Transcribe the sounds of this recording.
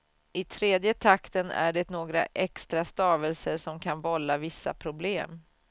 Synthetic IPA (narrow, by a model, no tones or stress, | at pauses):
ɪt̪ʰɾeːd̪jət̪ʰakt̪ənæ̰ɖɛnoːɡɾa̰ʔɛkst̪ɾast̪ɑːvəlsəʂɔmkʰanvɔlːavɪsːa̰pʰɾʊbleːm